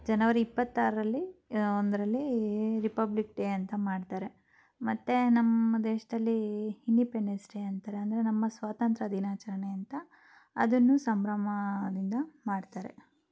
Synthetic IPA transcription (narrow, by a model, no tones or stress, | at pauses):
d͡ʒɐnɐʋɐɾiipːɐt̪ːaːɾɐɾɐlːiond̪ɐɾɐlːiɾipɐblikɖeɐnt̪ɐmaːɖt̪aːɾe̞ | mɐt̪ːe̞nɐmːɐɐd̪eːʂɐd̪ɐlːihinɖipeɳːesʈeɐnt̪aːɾeɐnd̪ɐɾe̞nɐmːɐsʋaːt̪ɐnt̪ɾɐd̪inaːt͡ʃɐɾɐɳeɐnt̪ɐ | ɐ̰d̪ɐnːusɐmbɾɐmɐd̪ind̪ɐmaːɖt̪aːɾḛ